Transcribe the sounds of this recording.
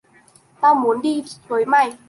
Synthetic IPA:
t̪aː˧wmu˨˦ənɗi˧t̪u˨˦jma˧˩j

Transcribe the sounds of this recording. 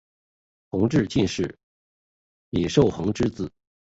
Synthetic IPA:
xɤ˧˥ŋʈ͡ʂɻ̩˥˧t͡ɕi˥˧nʂɻ̩˥˩ | ni˨˩ʂo˥˩ʊxɤ˧˥ŋʈ͡ʂɻ̩˥t͡sɹ̩˨˩˦

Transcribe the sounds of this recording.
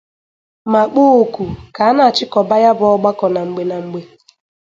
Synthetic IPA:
ma˨k͡po˦o˨kʷu˨ka˨a˦na˨t͡ʃɪ˦kɔ˨ba˦ja˦bʊ˦ɔ˦ɡ͡ba˦kɔ˨na˨ŋ͡m̩˨ɡ͡be˨na˨ŋ͡m̩˨ɡ͡be˨

